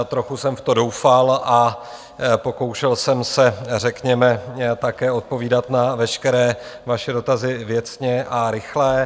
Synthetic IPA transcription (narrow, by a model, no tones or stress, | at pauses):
t̪ɾoxusɛmft̪odo̞wfalʔa | po̞ko̞wʃɛlsɛmsɛrɛkɲɛmɛt̪akɛːo̞t̪̚po̞viːdat̪navɛʃkɛɾɛːvaʃɛdo̞t̪azɪvjɛt͡sɲɛʔaɾɪxlɛː